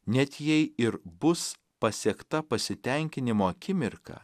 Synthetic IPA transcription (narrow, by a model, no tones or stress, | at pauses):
nʲɛt̪ʲjɛɪɪɾbʊs | pɐsʲɛkt̪ɐpɐsʲɪt̪ʲɛŋʲkʲɪnʲɪmoːɐkʲɪmʲɪɾkɐ̰